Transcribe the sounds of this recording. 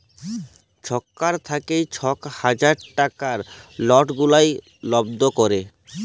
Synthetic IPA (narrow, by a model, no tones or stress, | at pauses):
t͡ɕʰɔkːaɾt̪ʰakejt͡ɕʰɔkhad͡ʑaɾʈakaɾlɔʈɡulaj | lɔbd̪okoɾe